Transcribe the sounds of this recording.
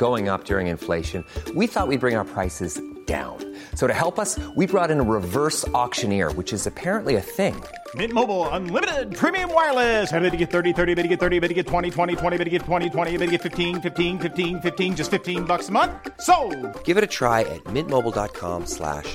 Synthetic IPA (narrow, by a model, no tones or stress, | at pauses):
ɡ̥oʊɪ̃ŋʌ̰p̚d̥ʊɹɪ̃ŋɨ̰̃nfleɪʃɨ̃nwiθɔʔ̚wid̚bɹɪ̃ŋaʊə˞pʰɹ̥aɪsɨzd̥ã̰ʊ̃n | soʊɾɨhɛlˠpʌswibɹɔɾɨ̃nəɹɪvɜ˞sɔkʃɨ̃nɪɹwɨt͡ʃɨzɨpʰɛɹɨ̃nʔliɨθɪ̃ŋ | mɪ̃t̚moʊbl̩ˠə̃nlɪ̃mɨɾɪd̚pʰɹ̥ĩmiɨ̃mwaɪəlˠɪsɛbiɾɨɡɛt̪̚θɜ˞ɾiθɜ˞ɾibɪɾɨɡɛt̪̚θɜ˞ɾibɪɾɨɡɛtʰw̥ɛ̃ɾ̃itʰw̥ɛ̃ɾ̃itʰwɛ̃ɾ̃ibɪɾɨɡɛtʰw̥ɛ̃ɾ̃itʰwɛ̃ɾ̃iɨbɪɾɨɡɛtfɪftʰĩnfɪftĩnfɪftĩnfɪftĩnd͡ʒʌstfɪftʰĩnbʌksəmʌ̃nθsoʊɡ̥ɪvɨɾɨtʰɹ̥aɪʔɨ̰t̚mɪ̃t̚moʊbl̩ˠdɑt̚kʰɑ̰̃mslæ̰ʃ